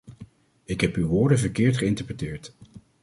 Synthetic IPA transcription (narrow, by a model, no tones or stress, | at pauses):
ɪkɦɛpywʋʊːɹdənvəɹkɪːɹtχəɪntəɹpətɪːɹt